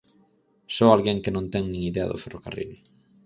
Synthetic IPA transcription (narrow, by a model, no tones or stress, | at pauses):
sɔalɣeŋkɪnõnt̪ɛŋnĩŋiðeɐ̰ðʊ̰fɛrokarḭl